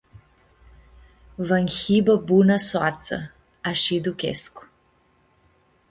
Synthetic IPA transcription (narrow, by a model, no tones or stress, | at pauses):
vəŋxibəbunəswat̪sə̰ | aʃid̪ukʲḛsku̥